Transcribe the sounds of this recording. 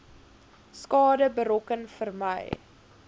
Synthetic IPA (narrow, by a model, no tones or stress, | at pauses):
skɑːdəbəɾɔkənfərmə̰j